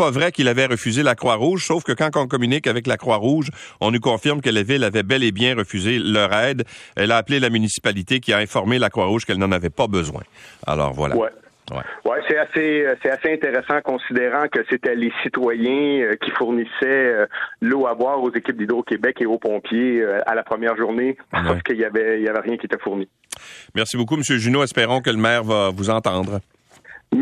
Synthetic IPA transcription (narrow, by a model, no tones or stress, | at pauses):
pavʁɛkilavɛʁəfyzelakʁwaʁuːʒsoʊfkəkɑ̃kɔ̃k̬ɔmynɪkavɛklakʁwaʁuːʒɔ̃nykɔ̃fɪʁmkəlavɪlavɛbɛlebjɛ̃ʁəfyzelœʁɛːd̪ɛlaːplelamynisi̥palit̪ekʲiaɛ̃fɔʁmelakʁwaʁuːʒ̥kɛlnɑ̃navɛpabəzwɛ̰̃a̰lɔ̰ːʁvwa̰lʔawɛ | wɛ̰wɛsɛasesɛt̪aseɛ̃t̪eʁesɑ̃kɔ̃sid̪eʁɑ̃kəset̪ɛlesit̪wajɛ̃økʲifuʁnisɛøloabwaːʁozekʲɪp̚d̪id̪ʁokʲebɛkeopɔ̃pʰjeøa̰lapχəmjɛːʁʒuʁneasaskəiljavɛiljavɛʁjɛ̃kʲiet̪ɛfuʁni | mɛʁsibokuməsjøʒynoɛspeʁɔ̃k̬ələmɛːʁvavuzɑ̃t̪ɑ̃ːd̪ʁ